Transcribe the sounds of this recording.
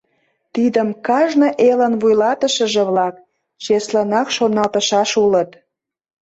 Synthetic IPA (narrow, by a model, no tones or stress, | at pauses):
t̪id̪əmkɑʒnə̆ʔelənβujlɑt̪əʃə̆ʒeβlɑk̚ | t͡ɕeslənɑkʃonɑlt̪əʃɑʃulət̪